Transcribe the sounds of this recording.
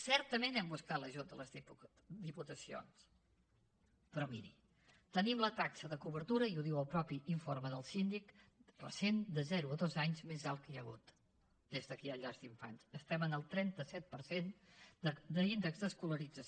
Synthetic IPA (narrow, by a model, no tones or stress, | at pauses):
sɛɾt̪əmenɛmbuskat̪ləʒut̪̚d̪ələz | d̪iput̪əsio̰ns | pɾɔmḭɾḭ | t̪ənimlət̪aksəðəkuβəɾt̪uɾəiuðiwəlˠpɾɔpiiɱfoɾrməðəlˠsind̪ikrə̰send̪əzɛɾuəðozaɲzmezalˠkəjəɣṵt̪ | d̪̥ezðəkiəʎazd̪iɱfa̰nsəst̪ɛmənəlˠt̪ɾɛnt̪əsɛt̪̚pəɾsen | d̪əind̪əkɡzðəskuləɾid͡zə